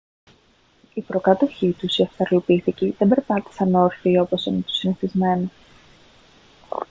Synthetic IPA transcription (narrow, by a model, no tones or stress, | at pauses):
ipɾo̞kɐt̪o̞çit̪usiɐft̪ɐɾlopiθiciðebe̞ɾpɐt̪i̥sɐnoɾfiio̞po̞sinit̪o̥siniθizme̞no